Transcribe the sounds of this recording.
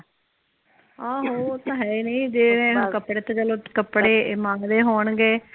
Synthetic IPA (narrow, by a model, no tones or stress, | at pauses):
ãːɦoːt̪ãːɦɛiːnəĩːd͡ʒeːẽːkəpɽeːt̪ẽd͡ʒəloːkəpːɽeːmãːŋɡd̪eːɦoːɳɡeː